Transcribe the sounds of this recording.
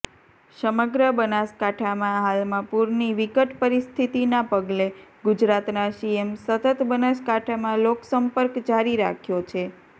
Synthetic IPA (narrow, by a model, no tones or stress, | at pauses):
səməɡɾəbənaskaʈʰamãɦalmãpuɾniʋikəʈpəɾist̪ʰit̪inapəɡleɡud͡ʒɾat̪naʃiemsət̪ət̪bənaskaʈʰamãloksəmpəɾkd͡ʒaɾiɾa̰kʰjot͡ʃʰe